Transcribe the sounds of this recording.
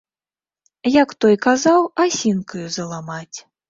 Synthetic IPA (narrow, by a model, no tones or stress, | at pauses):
jakt̪ɔjkazawasʲinkujuzɐlˠamat͡sʲ